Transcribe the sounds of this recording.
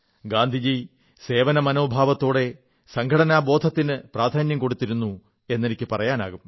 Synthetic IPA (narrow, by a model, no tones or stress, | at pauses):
ɡaːnd̪ʱid͡ʑij | se̞ːʋɐnɐmɐno̞ːbʱaːʋɐt̪ːo̞ːɽe̞ | sɐŋɡʰʱɐɽɐnaːbo̞ːd̪ʱɐt̪ːinɨpraːd̪ʱaːnjɐmko̞ɽut̪ːiɾunːu | e̞nːenikʲːɨpɐrɐjaːna̰ːɣum